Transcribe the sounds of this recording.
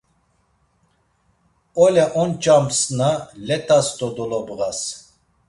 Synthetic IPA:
ɔlɛʔɔnt͡ʃʼamsnalɛt̪ʰʼasd̪ɔd̪ɔlɔbɣas

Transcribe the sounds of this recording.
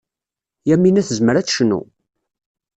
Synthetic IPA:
jæmːinæθəzməɾæt͡sʃnṵ

